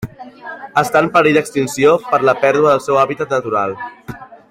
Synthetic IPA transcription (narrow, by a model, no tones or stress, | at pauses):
əst̪anpəɾid̪əkst̪insiopəɾləpɛɾðuəðəlˠsɛwaβit̪ət̪̚nət̪uɾalˠ